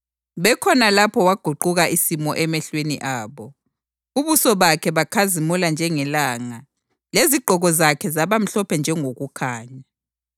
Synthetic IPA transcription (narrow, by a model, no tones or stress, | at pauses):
βɛkʰɔnalapʰɔwaɡ̥ʱuǃuɣaʔisimɔʔɛmɛɬwenḭʔaːβɔ | uβusɔβakʰɛβakʰazimuland͡ʒʱɛŋɛlaŋa | leziɡ͡ǃʱɔɣɔzakʰɛzaβam̩ɬɔpʰɛnd͡ʒʱɛŋoɣukʰaːɲa